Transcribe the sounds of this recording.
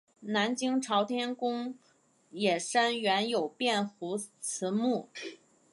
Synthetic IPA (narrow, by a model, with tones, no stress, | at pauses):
na˧˥nt͡ɕi˥ŋʈ͡ʂʰɑ˧˥ʊt̪ʰjɛ˥nkʊ˥ŋ | jɛ˨˩ʂa˥nɥɛ˧˥njo˨˩ʊpjɛ˥˩nxu˧˥t͡sʰɹ̩˧˥mu˥˩